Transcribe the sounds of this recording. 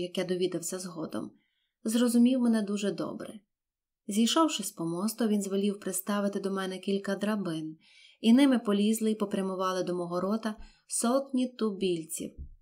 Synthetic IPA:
jɐkjɛd̪ɔʋʲid̪ɐwsʲɐzɦɔd̪ɔ̰m | zrɔzʊmʲiwmenɛd̪uʒɛd̪ɔ̰bɾɪ̰ | zʲijʃɔwʃɪspɔmɔst̪ɔʋʲinzʋɔlʲiwpɾɪt̪st̪ɑʋɪt̪ɪd̪ɔmɛnɛkʲilʲkɐd̪ɾɐbɪn | inɪmɪpɔlʲizlˠɪipɔpɾʲjɐmʊʋɑlˠɪd̪ɔmɔɦɔɾɔt̪ɐ | sɔt̪nʲit̪ʊbʲilʲt͡sʲḭw

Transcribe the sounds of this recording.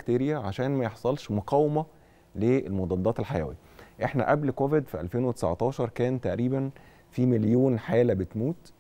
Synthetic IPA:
kt̪eːɾejæʕaʃæːnmæjeħsˤɑlʃmoqɑːwemæ | leelmod̪ˤɑd̪ˤːɑːt̪elħajæ̰ːwḭ | ʔeħnæʔæblkoved̪fiʔæ̰lfeːnwet̪e̥sa̰ʕt̪ˤɑːʃɑɾˤkæːnt̪æʔɾiːbæn | fiːmeljoːnħeːlæbet̪muːt̪

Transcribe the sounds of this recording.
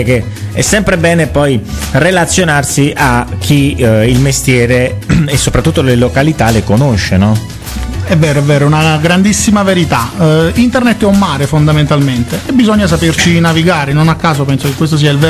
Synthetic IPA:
k̟e | ɛ̰sːɛmpɾebɛːnepɔjrelat̪sːjonarsiʔak̟ʰːiilmest̪jɛːɾeesːopɾat̪ːut̪ːolelokalit̪alekonoʃːenɔ | ɛvːɛːɾoɛvːɛːɾounaɡɾand̪isːimaveɾit̪aint̪ernet̪ːɛumːaːɾefond̪ament̪alment̪eʔebizoɲːas̬apert͡ʃinaviɡaːɾenonakːaːsopɛnsokekːwest̪os̬iːailvɛ

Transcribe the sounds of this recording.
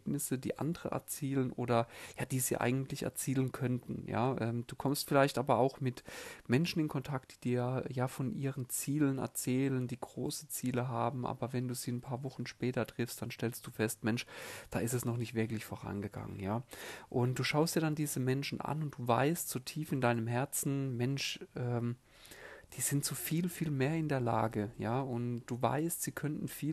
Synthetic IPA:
bnɪsədiːʔa̰ndəʁə̰ʔɛ̰ɐt͡siːlənʔo̰ːɾɐjaːd̥iːziːʔa̰ɪɡŋ̩tlɪçɛ̰ɐt͡siːlənkʰœntn̩ja̰ːʔɛːmd̥uːkʰɔmstfɪlaɪçtʔaːbɐaʊxmɪtmɛnʃn̩ɪnkʰɔntʰak̚t̚d̥iːd̥iːɐjaːjaːfɔnʔiːʁənt͡siːlənɛ̰ɐt͡sɛːləndiːɡʁoːsə̥t͡siːləɦaːbm̩ʔa̰ːbɐvɛnduːziːnpʰaːɐvɔχn̩ʃpɛːtɐtʁ̥ɪfstd̥anʃtɛlst̚d̥uːfɛstmɛnʃd̥aːʔɪstɛsnɔχnɪçtv̥ɪɐklɪçfoːʁa̰nɡəɡ̥a̰ŋə̰njaːʔʊnt̚d̥uːʃaʊstjaːdandiːzəmɛnʃn̩ʔa̰nʊnt̚d̥uːva̰ɪstz̥oːtʰiːfɪndaɪnəmɦɛɐt͡sn̩mɛnʃʔɛːm | d̥iːz̥ɪntz̥ofiːlfiːlmeːɐɪndeːɐla̰ːɡəjaːʊntd̥uːva̰ɪstz̥iːkʰœntn̩fiː

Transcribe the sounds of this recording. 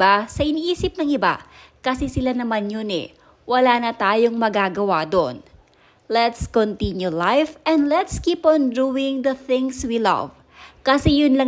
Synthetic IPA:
basɐʔɪniʔiːsɪp̚nɐŋɪba̰kɐsɛsɪlanɐmanjonɛ̰ | wɐlaːnɐt̪aːjo̞ŋmɐɡaːɡɐwad̪oʔn | lɛt̪skont̪injulajfɛ̃nd̪lɛt̪skipɔ̃nd̪uwɪŋd̪ɐθɪ̃ŋswilɐ̰v | kɐsɛjʊnlɐ

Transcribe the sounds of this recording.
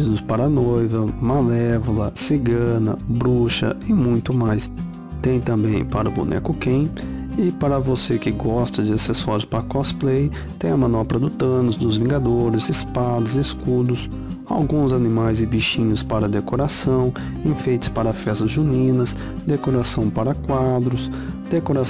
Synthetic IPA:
id̪ʊspaɾɐnojvɐmalɛvʊlɐsɪɡɐ̃nɐ̰bɾuʃɐ̰ɪmũj̃t̪ʊmajs | t̪ẽj̃t̪ɐ̃mbẽj̃paɾʊbṵnʔɛ̰kʊkẽj̃ | ɪpaɾɐvosekɪɡɔst̪ɐd͡ʒɪasesɔɾʊspaɾkɔsplej | t̪ẽj̃ɐmɐ̃nɔpɾɐd̪ʊt̪ɐ̃nʊzd̪ʊzvĩɡad̪oɾɪzɪspad̪ɐzɪskud̪ʊs | a̰wɡũzanĩmajzɪbiʃĩɲʊspaɾɐd̪ekoɾasɐ̃w̃ | ĩfejt͡ʃ̪ʊ̥spaɾɐfɛst̪ɐzʒunĩnɐs | d̪ekoɾasɐ̃w̃paɾɐkwad̪ɾʊs | d̪̥ekoɾa

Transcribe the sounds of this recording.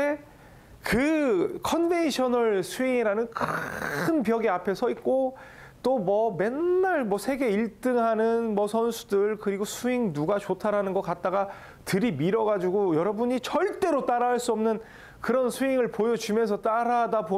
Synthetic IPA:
e | kɯkʰʌnve̞nɕʰʌnɯɭsʰuiŋiɾanɯnkʰɯnpjʌɡiapʰe̞sʰʌit̚k͈o | t͈omʌme̞nːaɭmʌsʰe̞ɡe̞iɭt͈ɯŋɦanɯnmʌsʰʌnsʰu̥dɯɭkɯɾiɡosʰuiŋnuɡat͡ɕotʰaɾanɯnɡʌk͈at̚t͈aɡa | tɯɾimiɾʌɡad͡ʑuɡojʌɾʌbuɲit͡ɕʌɭt͈e̞ɾot͈aɾaaɭs͈uʌmnɯn | kɯɾʌnsʰuiŋɯɭpojʌt͡ɕumesʰʌt͈aɾadabo

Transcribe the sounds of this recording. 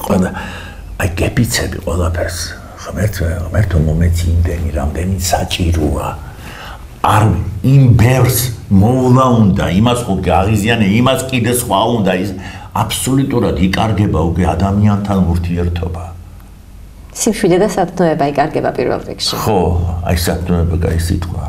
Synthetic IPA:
qʼwɛlˠa | ajɡɛpit̪sʰɛbḭqʼwɛ̰lˠapʰɛɾs | ʁmɛɾt̪ʰɛʁmɛɾt̪ʰɔmɔmɛt̪sʰind̪ɛniɾamd̪ɛnit̪sat͡ʃʼiɾɔa | aɾimbɛvɾsmɔvlˠaund̪aimasχɔkʼɛaʁizianɛimaskʼid̪ɛsχwaund̪aisapʰsɔlut̪ʼuɾad̪ikʼaɾɡɛbaukʼwɛad̪amiant̪ʰanuɾt̪ʰiɛɾt̪ʰɔba | simʃwid̪ɛd̪asapʰnɔɛbaikʼaɾɡɛba̰pʼiɾvɛ̰lˠɾḭkʃiχɔa̰isapʰnɔɛbaɡa̰isḭt̪ʼqʼwa

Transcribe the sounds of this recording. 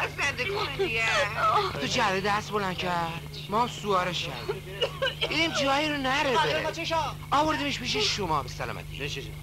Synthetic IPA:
zend̪ekʰonediet̪ʰod͡ʒæded̪æst̪̚bolæn̥cʰæɾd̪ | mɒːamsuɒːɾeʃcʲʰæ̰ɾd̪i | d̪id̪imt̪ʰiɒːjiɾonæɾet͡ʃʰeʃɒ | ɒːvoɾd̪imeʃbiʃ̬eʃomɒːbesælɒ̰mæ̰t̪ʰḭ

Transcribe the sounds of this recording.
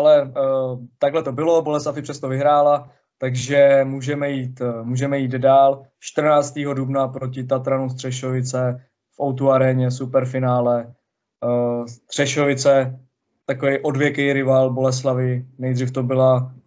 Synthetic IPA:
ʔalɛ | t̪aɡɦlɛt̪o̞bɪlo̞bolɛslafɪpr̝̥ɛst̪ovɪɦɾaːla | t̪aɡʒɛmuːʒɛmɛjiːt̪muːʒɛmɛjiːd̪daːl | ʃt̪r̩naːt͡st̪iːɦo̞dubnapɾocɪt̪at̪ɾanus̬t̪r̥ɛʃovɪt͡sɛ | fʔawt̪uaɾɛɲɛsupɛɾfɪnaːlɛ | st̪r̝̥ɛʃovɪt͡sɛ | t̪akovɛjʔo̞dvjɛkɛjɾɪvaːlbo̞lɛs̬lavɪnɛjd̪riːft̪obɪla

